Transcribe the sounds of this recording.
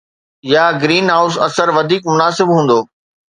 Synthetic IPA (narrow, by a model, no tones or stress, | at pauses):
jaːɡɾiːnɦaːʊsɐ̰səɾʋɐd̪ʱiːkmʊnaːsɪbɦũːn̆d̪oː